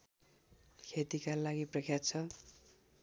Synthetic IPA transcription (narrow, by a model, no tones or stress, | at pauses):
kʰet̪ikalaɡiprʌkʰjat͡sʰʌ